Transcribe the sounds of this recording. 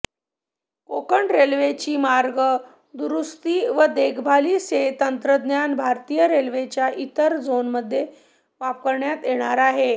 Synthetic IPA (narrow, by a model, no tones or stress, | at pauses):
kokəɳɖɾelʋet͡ɕiːmaɾɡə | d̪uɾust̪iːʋəd̪eɡʱbʱaliset̪ənt̪ɾəd̪njanbʱaɾt̪iːjəɾelʋet͡ɕjaʔit̪əɾd͡zonməd̪ʱːje | ʋap̚kəɾɳjat̪jeɽ̃aɾaɦe